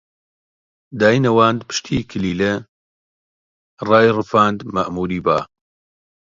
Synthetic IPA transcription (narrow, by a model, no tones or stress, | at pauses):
d̪aːjnɐwaːnd̪pʰɨ̥ʃt̪ʰiːkʰɨliːle | rɑːjrɨfaːnd̪mɐʔmuːɾiːbaː